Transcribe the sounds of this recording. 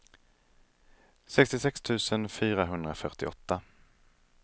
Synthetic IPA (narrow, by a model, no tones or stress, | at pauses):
sɛkst̪ɪsɛkst̪ʰʉ̟ːsənfyːɾaɦɵnd̪ɾafœʈɪɔt̪ːa